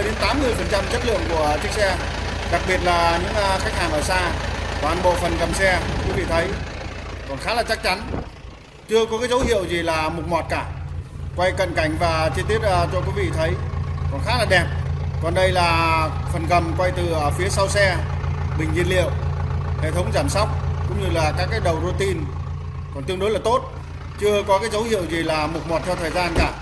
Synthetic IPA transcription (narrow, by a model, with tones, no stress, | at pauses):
ɗe˨˦nt̪aː˨˦mːɨ˧əjfə˨˩nt͡ɕa˧mt͡ɕə˦˥t̚lɨ̰˧˨əŋku˧˩ə˩t͡ɕi˦˥k̚sɛ˧ | ɗa˨˩k̚ɓi˨˩ət̚laː˨˩ɲɨ̰˧˥ŋʔxjk̚haː˨˩nʔəː˧˩saː˧t̪waː˨˧˩nɓo̰˧˨fə˨˩nɣə˨˩msɛ˧kwi˨˦vḭ˧˨t̪ʰə˨˦j | kɔ˨˩nxaː˨˦laː˨˩t͡ɕa˦˥k̚t͡ɕa˨˦n | t͡ɕɨ˧əkɔ˨˦kaː˨˦zə˨˦whḭ˧˨əwzi˨˩laː˨˩mu˨˩t̚mɔ˨˩t̚kaː˧˩kwa˧jkə̰˧˨nka˧˩jŋ̟vaː˨˩t͡ɕɨ˧t̪i˦˥ət̚ːt͡ɕɔ˧kwi˨˦vḭ˧˨t̪ʰə˨˦jkɔ˨˩nxaː˨˦laː˨˩ɗɛ˨˩p̚kɔ˨˩nɗə˧jlaː˨˩fə˨˩nɣə˨˩mkwa˧jt̪ɨ˨˩˨fi˨˦əsa˧wsɛ˧ | ɓï˨˩ŋ̟ɲḭ˧˨ənlḭ˧˨əwhḛ˧˨t̪ʰə˨˦wŋ͡mzaː˧˩msa˦˥wk͡p̚kʊ̰˧˥ŋ͡mɲɨ˧laː˨˩kaː˦˥kːaː˨˦jɗə˨˩wzo˧t̪i˧n | kɔ˨˩nt̪ɨ˧əŋɗo˨˦jlaː˨˩t̪o˦˥t̚ | t͡ɕɨ˧əkɔ˨˦kaː˨˦jzə˨˦whḭ˧˨əwzi˨˩laː˨˩mu˨˩t̚mɔ˨˩t̚t̪ʰɛ˧t̪ʰəː˨˩jzaː˧nkaː˧˩